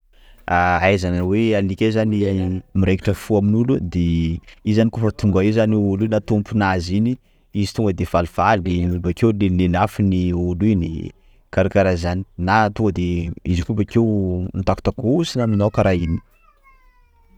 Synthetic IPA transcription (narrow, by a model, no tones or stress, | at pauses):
aajzanawealikʲezanimiɾeki̥ʈ͡ʂəfuaminulud̪eizanikufat̪uŋɡaezaniulujnat̪umpunazini | izi̥t̪uŋɡəd̪ev̥aliv̥alinulbakewlenenafiniulunḭ | kaɾakaɾazani̥nat̪uŋɡəd̪eizikupakewnt̪aku̥t̪akusinaminawkaɾaini̥